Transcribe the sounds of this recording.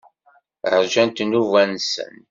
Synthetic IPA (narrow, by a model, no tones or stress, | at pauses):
əɾʒænt̪nuvænsə̰n